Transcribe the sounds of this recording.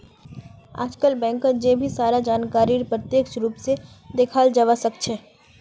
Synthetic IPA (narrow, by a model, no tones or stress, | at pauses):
a̰ːd͡ʒkəlbɛ̃ːŋkəd͡ʒebʱisaːɾad͡ʒaːnkaːɾiɾpɾət̪jeːkʃɾuːpse | d̪ekʰaːld͡ʒɐʋasək̚t͡ʃʰɛː